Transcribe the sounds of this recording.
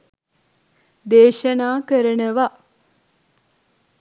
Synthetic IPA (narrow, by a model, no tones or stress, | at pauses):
d̪eːʃənaːkəɾənəʋa